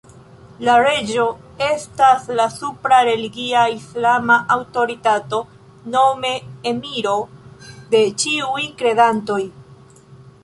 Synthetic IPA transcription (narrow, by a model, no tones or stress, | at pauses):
laɾe̞d͡ʒo̞ | e̞staslasupɾaɾe̞liɡiaislamaʔawto̞ɾitato̞ | no̞me̞ːmiɾo̞de̞t͡ʃiujkɾe̞danto̞j